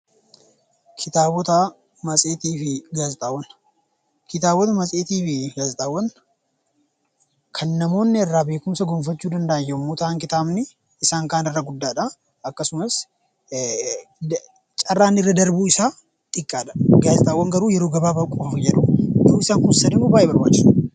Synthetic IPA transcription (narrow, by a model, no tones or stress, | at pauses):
kʰɪt̪aːbɔt̪ɐ | mɐsʼeːt̪iːfɪɡaːzɪt̪ʼaːwːɐn | kɪt̪aːbɔt̪ɐmɐsʼeːt̪iːfɪɡaːzt̪ʼaːwːɐn | kʰɐnːɐmo̞ːnːɪɛrːaːbe̞ːkʊmsɐɡɔːmfɐt͡ʃːuːd̪ɐnd̪ɐʔjjɐmːoːt̪aːŋkɪt̪aːbnɪ | ɪsaːŋkaːnɪrːɐɡʊd̪ːaːᶑɐ | ɐkːɐsʊmɐs | t͡ʃʼɐrːaːnːɪrːɐd̪ɐɾbuːɪsaː | t̪ʼɪkʼːaːᶑɐ̥ɡaːzɪt̪ʼaːwːɐŋɡɐɾuːjɛɾoːɡɐbaːbɐkʼofjɛᶑʊd̪oːɪsaːŋkʊnsɐdɪmoːbaːʔeːbɐɾbaːt͡ʃːɪn